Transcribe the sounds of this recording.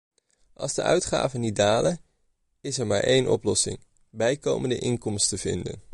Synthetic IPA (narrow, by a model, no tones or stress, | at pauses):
ʔɑlˠzdəʔœ̰ɥtχa̰ːvənit̚daːlə | ɪsɛɹmaːɹʔejnʔɔ̰plɔsɪ̰ŋ | bɛjkowməndəʔɪŋkɔmstəv̥ɪ̰ndə̰n